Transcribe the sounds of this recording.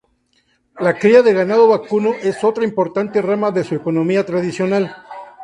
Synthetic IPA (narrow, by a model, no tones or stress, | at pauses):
lakɾiaðe̞ɣanaðo̞βakuno̞ʔe̞so̞t̪ɾaimpo̞ɾt̪ant̪e̞ramaðe̞sue̞ko̞nõ̞miat̪ɾaðisjo̞nal